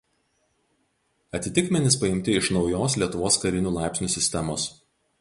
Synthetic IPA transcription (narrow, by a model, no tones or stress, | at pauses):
ɐt̪ʲɪt̪ʲɪkmʲɛnʲɪspɐɪmʲt̪ʲɪɪʃnɒʊjoːslʲiɛt̪ʊʋoːskɐɾʲɪnʲuːlˠɑˑɪpʲsʲnʲuːˑsʲɪsʲt̪ʲɛmoːs